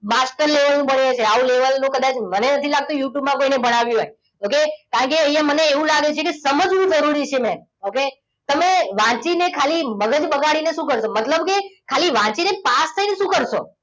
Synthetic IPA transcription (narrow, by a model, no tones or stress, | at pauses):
masʈəɾleʋəlnũbəɳet͡ʃʰeaũleʋəlnũkəd̪at͡ʃmənenət̪ʰilaɡ̚t̪ũjuʈjubmãkoinebəɽaʋjũɦoj | okekaɳkeəijãməneːʋũlaɡet͡ʃʰekesəməd͡ʒʋũd͡ʒəɾuɾit͡ʃʰemɛ̃n | oke | t̪əmeʋãt͡ʃinekʰaliməɡəd͡ʒbəɡaɽineʃũkəɾʃomət̪ləbkekʰaliʋãt͡ʃinepast̪ʰaineʃũkəɾʃo̰